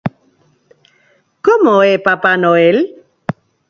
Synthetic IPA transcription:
kɔmɔepapanɔel

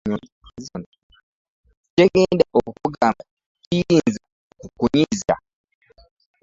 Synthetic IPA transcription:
azon | ceɡeːndaʔokukuɡama | cijiːnza | kukuɲiza̰

